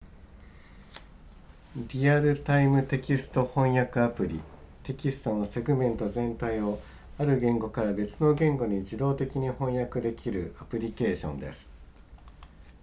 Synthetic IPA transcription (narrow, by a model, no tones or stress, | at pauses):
ɾʲiaɾɯ̟t̪aimɯ̟t̪e̞kʲisɨ̥t̪o̞hõ̞ɰ̃jakɯ̟apɯ̟ɾʲḭ | t̪e̞kʲisɨ̥t̪onose̞ɡɯ̟mẽ̞nt̪o̞zẽ̞nt̪aio̞ | aɾɯ̟ɡẽ̞ŋɡo̞kaɾabe̞t͡sɨno̞ɡẽ̞ŋɡo̞ɲ̟id͡ʑid̪o̞ːt̪e̞kʲiɲ̟ihõ̞ɰ̃jakɯ̟d̪e̞kʲʰiɾɯ̟apɯ̟ɾʲike̞ːɕõ̞̰nd̪e̞̰sɨ̥